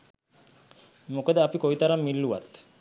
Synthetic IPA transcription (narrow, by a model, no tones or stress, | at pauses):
mukad̪əapikojt̪aɾamːilːuʋat̪